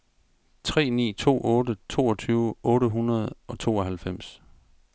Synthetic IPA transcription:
t͡sʰʁɛ̰ːnḭːt͡sʰo̝̰ːʔɔːdət͡sʰo̝̰ːɒ̽t͡sʰyːʊəʔɔ̽ːɾəɦunɐð̞ˠɒ̽t͡sʰo̝̰ːɒ̽ɦælfem̰s

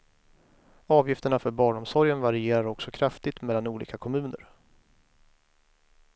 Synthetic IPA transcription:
ɑːvjɪft̪əɳafœɾbɑːɳɔmsɔɾjənvaɾɪeːɾaɾɔksɔkʰɾaft̪ɪt̪mɛlːanuːlḭːkakʰɔmʉ̟ːnə̰ɾ

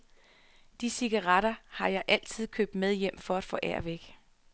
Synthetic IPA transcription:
d̥isiɡ̥ɑʁɑɾ̥ɐhɑ̈jɑ̈ɪʔæl̰t͡sʰið̞̰ˠkʰø̰ːb̥̚d̥með̞ˠjem̰fɒ̽æd̥fɔ̰̽ːʔæɐ̰ʋeɡ̥

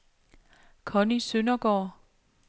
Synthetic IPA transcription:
kʰɒ̽nisønɐɡ̥ɒ̰ː

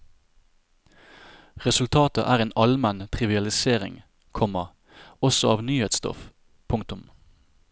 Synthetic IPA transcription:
ʁɛsʉlt̪ʰɑːt̪ə̰ʔæːʁeːnʔɑlmɛnt̪ʰʁɪʋɪɑlɪseːʁɪ̰ŋ | kʰɔmə | ɔsɔɑːʋnyːheːt̪st̪ɔ̰f | pʰʊŋt̪ʊm

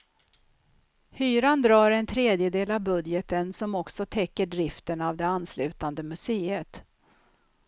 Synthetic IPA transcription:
hyːɾand̪ɾɑːɾɛnt̪ʰɾeːd̪jəd̪eːlavbɵd̪jət̪ənsɔmɔksɔt̪ʰɛkːəɖɾɪft̪ənavd̪ɛanːslʉ̟ːt̪and̪əmɵseːət̪

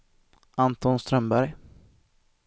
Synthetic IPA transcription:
ʔant̪ɔnst̪ɾœmbæɾj

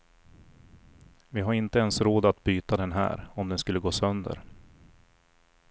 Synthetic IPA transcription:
vɪɦaɾɪnt̪əɛnsɾoːd̪at̪̚byːt̪ad̪ɛnɦæ̰ːɾɔmd̪ɛnskɵlːəɡoːsœnd̪ə̰ɾ

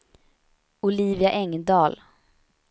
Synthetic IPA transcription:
ʊliːvɪaʔɛŋd̪ɑːl

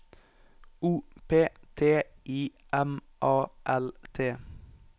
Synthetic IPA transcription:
uːpʰeːt̪ʰeːʔiːʔɛm | ʔɑːʔɛlt̪ʰeː

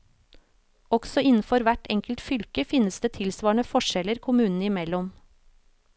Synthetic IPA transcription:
ɔɡ̥sɔɪnn̩fɔɾʋæʈʰɛŋkəlt̪fʏlkəfɪnəsd̪eːt̪ʰɪlsʋɑːɳəfɔʃɛləɾkʰʊmʉːnn̩ɪmɛlɔm

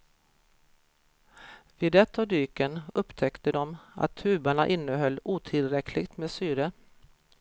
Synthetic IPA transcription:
vɪːd̪ɛt̪ʰːavd̪yːkənɵpːt̪ʰɛkt̪əd̪ɔma̰t̪ʰːʉ̟ːbaɳaʔɪnːəɦœlːuːt̪ʰɪlɾɛkʰlɪɡt̪meːsyːɾə

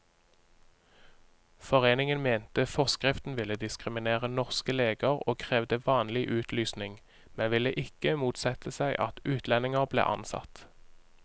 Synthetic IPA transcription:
fɔʁeːnɪŋənmeːnt̪əfɔʁskʁɪft̪n̩ʋɪləd̪ɪskʁɪmɪneːʁənɔʁskəleːɡəʁo̰ːkʰʁeːʋd̪əʋɑːnlɪʔʉːt̪ʰlyːsnɪŋ | mɛnʋɪlːəʔɪkəmuːt̪sɛt̪ʰəsæɪʔɑt̪ʉːt̪lɛnɪŋəʁblḛːʔɑ̰nsɑ̰t̪

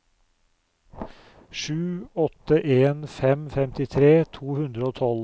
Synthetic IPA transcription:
ʃʉːɔt̪əʔeːnfɛmfɛmt̪ɪt̪ʰɾeːt̪ʰuːhʉnd̪ɾəoːt̪ʰɔl

